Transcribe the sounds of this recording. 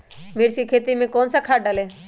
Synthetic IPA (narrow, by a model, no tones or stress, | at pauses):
meːɾsiːkʰeːt̪imẽkoːnsakʰaːɖaleː